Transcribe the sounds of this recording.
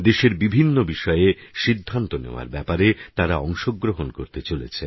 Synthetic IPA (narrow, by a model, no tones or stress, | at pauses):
d̪eʃeɾbibʱinːobiʃɔeeʃid̪ʱːant̪onḛoa̰ɾbɛpaɾet̪aɾaɔŋʃoɡɾoɦonkoɾt̪et͡ɕolet͡ɕʰe